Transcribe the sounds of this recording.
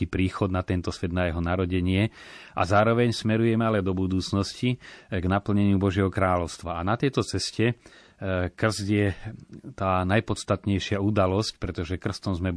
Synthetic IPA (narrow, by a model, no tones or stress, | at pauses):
ipɾiːxɔd̪nat̪ɛnt̪ɔsʋɛd̪najɛɦɔnaɾɔɟɛɲɪɛʔa̰zaːɾɔʋɛɲsmɛɾujɛmɛalɛd̪ɔbud̪uːt͡snɔsciɡnapl̩ɲɛɲɪubɔʒɪɛɦɔkɾaːlɔʊst̪ʋaanat̪ɛjt̪ɔt͡sɛscɛ | kr̩zd̪jɛt̪aːnajpɔt̪st̪at̪ɲɛjʃɪaud̪alɔsc̚pɾɛt̪ɔʒɛkr̩st̪ɔmzmɛ